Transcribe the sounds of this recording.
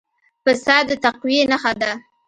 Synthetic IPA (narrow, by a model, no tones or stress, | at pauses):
fasɑd̪ət̪aqwienaxad̪a